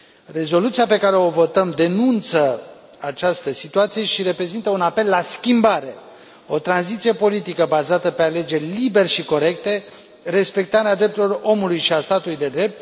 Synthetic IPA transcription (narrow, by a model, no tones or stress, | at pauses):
re̞zo̞lut̪sijape̞kaɾe̞o̞vo̞t̪əmd̪e̞nunt̪sə | at͡ʃast̪əsit̪uat̪sije̞ʃiɾe̞pɾe̞zint̪əunape̞lːaskʲimbaɾe̞ | o̞t̪ɾanzit̪sije̞po̞lit̪ikəbazat̪əpe̞ale̞d͡ʒe̞rʲlibe̞rʃiko̞ɾe̞k̚t̪e̞ | re̞spe̞k̚t̪aɾead̪ɾe̞p̚t̪ulo̞ro̞mulujʃiast̪at̪ulujd̪e̞d̪ɾe̞p̚t̪